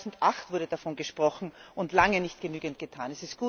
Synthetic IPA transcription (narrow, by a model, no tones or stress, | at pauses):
zn̩tʔaχtv̥ʊɐdədafɔnɡəʃpʁ̥ɔxn̩ʊntlaŋənɪçtɡ̥ənyːɡənt̚ɡ̥ətʰaːnɛsɪst̚ɡ̥uː